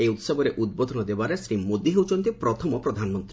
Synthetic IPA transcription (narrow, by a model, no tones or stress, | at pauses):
eut̪sɔbɔɾeʔud̪̚bod̪ʱɔnɔd̪ebaɾesɾimod̪iɦewt͡ʃɔnt̪ipɾɔt̪ʰɔmɔpɾɔd̪ʱanmɔnt̪ɾi